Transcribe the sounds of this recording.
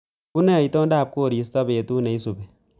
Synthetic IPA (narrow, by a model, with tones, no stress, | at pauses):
ku˦nɛ˦˨i˨to˦ndaː˦˨p̚ko˦˨ɾi˨˦s̬tɔ˦be˨tu˦ne˨i˦su˨bɛ˨